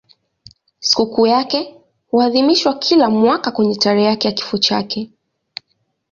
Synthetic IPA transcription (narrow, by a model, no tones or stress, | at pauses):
si̥kukuːjakɛ | huaðimiʃwakʰilamwakakwɛɲɛtaɾɛjakɛjaki̥fɔt͡ʃa̰kɛ